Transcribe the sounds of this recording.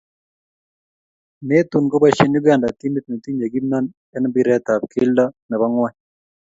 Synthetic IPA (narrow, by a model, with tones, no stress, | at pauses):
me˦t̪u˨nko˦ba˦ʃe˦nju˦ɡa˨nda˨t̪i˦mi˦t̪̚nɛ˨t̪i˦ɲd͡ʒa˨ɡi˦mna˦n | ɛ˦nbi˦ɾɛ˦t̪a˨p̚kʰɪ˦lda˦nɛ˨ba˦ŋwa˦ɲ